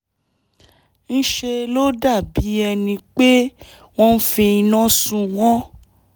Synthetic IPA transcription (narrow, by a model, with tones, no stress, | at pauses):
ñ̩˦ʃe˧lo˦da˦˨bi˨˦ɛ˧nĩ˧k͡pe˦ | w̃ɔ̃˦n̩˦fĩ˧i˧nã˦sũ˧wɔ̃˦